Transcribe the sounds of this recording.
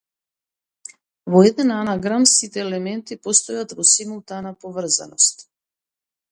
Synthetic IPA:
vɔɛd̪ɛnanaɡɾamsit̪ɛːlɛmɛnt̪ipɔst̪ɔjat̪vɔsimulˠt̪anapovr̩za̰nɔst̪

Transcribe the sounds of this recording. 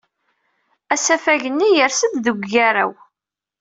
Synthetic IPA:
æsæfæʝənːijəɾsəd̪ðəɡʷæɾæ̰w

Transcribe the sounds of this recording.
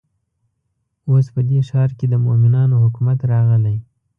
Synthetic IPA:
ospəd̪eʃɑɾked̪əmomɪnɑnohʊkumat̪ɾɑɣəlaj

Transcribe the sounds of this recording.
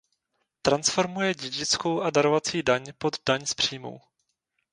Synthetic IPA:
t̪ɾansfo̞ɾmujɛɟɛɟɪt͡skowʔadaɾovat͡siːdaɲpo̞d̪daɲspr̝̥iːmṵw

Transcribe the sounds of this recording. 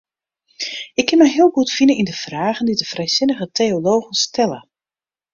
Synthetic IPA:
ʔɪkʰːɪnmɛjɦiəlˠɡutfinəindəv̥raːɣəndidəfrɛjsɪnəɣətʰeoloːɣənstʰɛlə̰

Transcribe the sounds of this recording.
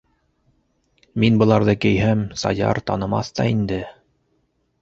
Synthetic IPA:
minbɤ̆lˠɑɾðɤkɘ̆jɦæmsɑ̰jɑ̰ɾt̪ɑnɤ̆mɑ̰θt̪ɑ̰ind̪ɘ

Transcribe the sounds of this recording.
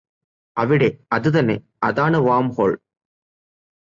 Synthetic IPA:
ɐʋɪɽeːɐðɯðɐneː | ʔɐðaːnɐʋaːmhoːɭ

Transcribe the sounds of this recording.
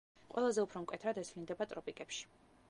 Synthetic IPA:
qʼwɛlˠazɛupʰɾɔmkʼwɛt̪ʰɾad̪ɛsʰvlind̪ɛbat̪ʼɾɔpʼikʼɛpʃi̥

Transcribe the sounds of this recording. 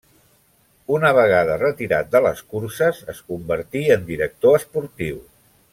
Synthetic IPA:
unəβ̞əɣ̞aðərət̪iɾa̰t̪̚d̪ələ̰skuɾsəzəskumbəɾt̪iənd̪iɾək̚t̪oəspuɾt̪iw

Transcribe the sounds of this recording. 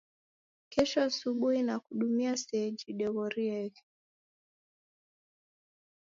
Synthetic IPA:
kɛʃɔasuɓuhinakuɗumiasɛd͡ʒiɗɛɣɔɾiɛ

